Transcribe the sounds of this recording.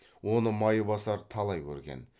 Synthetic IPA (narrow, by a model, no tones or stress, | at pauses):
wo̞nəmɑjəbɑsɑɾt̪ʰɑlˠɑjkʲʰɵ̰ɾɡʲḛn